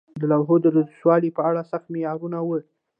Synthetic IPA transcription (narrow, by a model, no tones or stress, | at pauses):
d̪əlawɦod̪əɾazʃwɑlipəaɽasaxt̪mejɑɾunawə